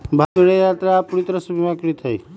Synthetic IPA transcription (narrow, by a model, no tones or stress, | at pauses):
bʱaɡəɽejat̪ɾapuɾit̪ɾəsəbʱimakɾit̪ʰəj